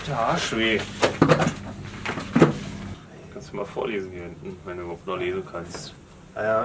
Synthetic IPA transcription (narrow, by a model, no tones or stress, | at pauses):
d̥aaʃveː | kʰanstd̥umaːlfo̰ːɐleːzn̩hiːɪntn̩vɛnduːbɐhaʊp̚tnoχleːzn̩kʰanst | ʔaja